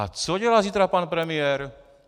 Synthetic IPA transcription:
a̰t͡sɔɟɛlaːziːt̪ɾapaːnpɾɛmɪɛɾ

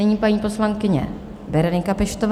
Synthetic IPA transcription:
ɛɲiːpaɲiːposlaŋkɪɲɛ̰ | bɛɾɛnɪŋkapɪʃt̪ov

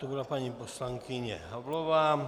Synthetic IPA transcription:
d̪obɾapaɲiposlaŋkʰiɲɛ̰ɦabloʋaː

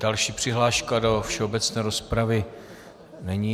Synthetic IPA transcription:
d̥alʃiːpr̝̥ɪɦlaːʃkado̞fʃɛo̞bɛt͡snɛːɾo̞spɾavɪ | nɛɲi

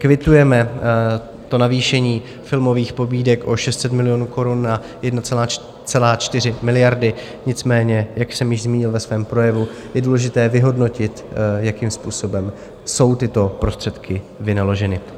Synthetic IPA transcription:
kvɪt̪ujɛmɛ | t̪o̞naviːʃɛɲiː | fɪlmo̞viːxpo̞biːdɛkʔo̞ʃɛst̪sɛt̪mɪlɪjo̞ːnuːko̞ɾunːa | jɛdnat͡sɛlaː | t͡sɛlaːt͡ʃt̪ɪrɪmɪlɪjaɾdɪ | ɲɪt͡smɛːɲɛjaksɛmjɪʒzmiːɲɪlvɛsvɛːmpɾo̞jɛvu | jɛduːlɛʒɪt̪ɛːvɪɦo̞dno̞cɪt̪jakimspuːso̞bɛm | so̞wt̪ɪt̪o̞pɾo̞st̪r̥ɛt̪kʰɪ | vɪnalo̞ʒɛnɪ

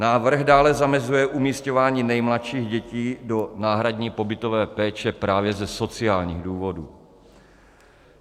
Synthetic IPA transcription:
naːvr̩ɣdaːlɛzamɛzujɛʔumiːscovaːɲiːnɛjmlat̪ʃiːɣɟɛciːdo̞naːɦɾadɲiːpo̞bɪt̪o̞vɛːpɛːt͡ʃɛpɾaːvjɛzɛso̞t͡sɪaːlɲiːɣduːvo̞duː

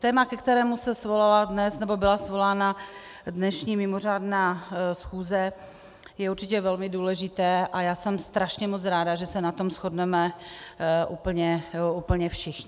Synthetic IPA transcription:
t̪ɛːmakɛkt̪ɛɾɛːmusɛsvo̞laladnɛsnɛbo̞bɪlasvo̞laːna | dnɛʃɲiːmɪmor̝aːdnaːsxuːzɛ | jɛuɾt͡ʃɪcɛvɛlmɪduːlɛʒɪt̪ɛːʔajaːsɛmst̪ɾaʃɲɛmot͡sɾaːdaʒɛsɛnat̪o̞msxo̞dnɛmɛ | ʔuːpl̩ɲɛuːpl̩ɲɛfʃɪxɲɪ

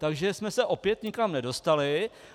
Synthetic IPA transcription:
t̪aɡʒɛsmɛsɛʔo̞pjɛt̪ɲɪkamnɛdo̞st̪alɪ

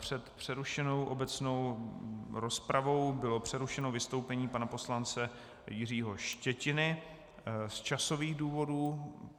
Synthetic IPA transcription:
pr̝̥ɛt̪pr̥ɛɾuʃɛno̞wʔo̞bɛt͡sno̞w | ɾo̞spɾavo̞wbɪlo̞pr̝̥ɛɾuʃɛnovɪst̪o̞wpɛɲiːpanapo̞slant͡sɛ | jɪr̝iːɦo̞ʃcɛcɪnɪ | st͡ʃaso̞viːɣduːvo̞duː

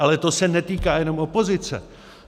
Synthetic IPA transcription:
alɛt̪osɛnɛt̪iːkaːjɛno̞mopo̞zɪt͡sɛ̰

